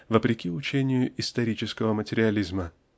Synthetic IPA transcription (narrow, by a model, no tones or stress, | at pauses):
vəpɾʲɪkʲiʊt͡ɕenʲɪjʊʔɪst̪ɐɾʲit͡ɕɪskəvəmətʲɪɾʲɪɐlʲizmə